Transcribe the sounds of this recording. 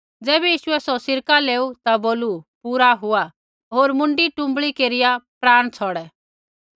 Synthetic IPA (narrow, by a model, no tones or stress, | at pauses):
d͡zɛːbɛjiːʃʊɛsɔsɪɾkaleːut̪aboːlupuːɾaɦʊa | ɦoːɾmʊ̃ɳɖiʈʊ̃mbɭikeːɾɪjapɾaːɽ̃t͡sʰɔɽɛ